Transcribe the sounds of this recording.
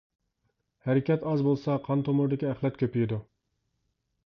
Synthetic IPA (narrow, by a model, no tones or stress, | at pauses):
hæɾɪkʲɛt̪ɑzbolˠsɑqʰɑnt̪ʰomʊɾd̪ɪkʲiæχlˠɛt̪kʲøpijid̪u